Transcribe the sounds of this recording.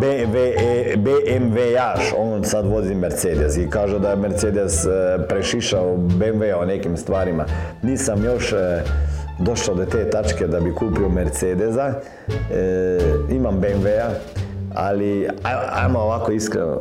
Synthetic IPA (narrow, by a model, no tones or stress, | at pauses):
beʋebeʔnʋeaʃoːnsad̪ʋozimeɾt̪seːd̪esikaːʒud̪ajemeɾt̪seːd̪espɾeʃiʃaobenʋeaonekimst̪ʋaːɾimaniːsamjoʃ | d̪oʃlad̪ot̪eːt̪at͡ʃked̪abikuːpiomeɾt̪seːd̪eza | imambenʋea | a̰liaa̰jmooʋakoiskɾḛno̰